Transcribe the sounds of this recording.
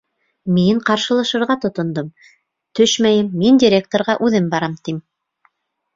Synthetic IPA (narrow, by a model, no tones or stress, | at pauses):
miɴqɑɾʃɤ̆lˠɑʃɤ̆ɾʁɑt̪ŏt̪ŏnd̪ɤm | t̪ɵʃmæjɘmːindʲiɾʲek̚t̪oɾʁɑʔʉðɘmbɑɾɑmt̪im